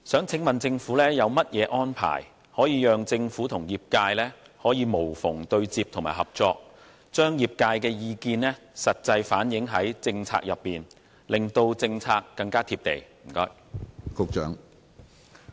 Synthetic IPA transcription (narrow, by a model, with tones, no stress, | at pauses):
sœː˨˥ŋt͡sʰɪ˨˥ŋmɐ˨nt͡sɪ˧ŋfuː˨˥lɛː˥jɐ˨˧wmɐ˥t̚jɛː˨˧ʔɔː˥npʰa̰ː˨˩j | hɔː˨˥jiː˨˧jœː˨˧ŋt͡sɪ˧ŋfuː˨˥t̪ʰʊ˨˩ŋjiː˨p̚kaː˧jlɛː˥ | hɔː˨˥jiː˨˧mo˨˩wfʊ˨˩ŋt̪ɵ˧ɥt͡siː˧p̚t̪ʰŋmaː˨˩ɦɐ˨p̚t͡sɔː˧k̚ | t͡ʃœː˥ŋjiː˨˩p̚kaː˧jkɛː˧jiː˧kiː˧nɛː˥ | sɐ˨t̚t͡sɐ˧jfaː˨˥njɪ˨˥ŋɦɐ˨˥jt͡sɪ˧ŋt͡sʰa̰ː˧k̚jɐ˨pːiː˨n | lɪ˨˩ŋt̪o˧wt͡sɪ˧ŋt͡sʰaː˧kːɐ˧ŋkaː˥t̪ʰiː˧p̚t̪ḛ˨˩jm̩˨˩kɔː˥j | kʊ˨˧k̚t͡ʃœ̰ː˨˥ŋ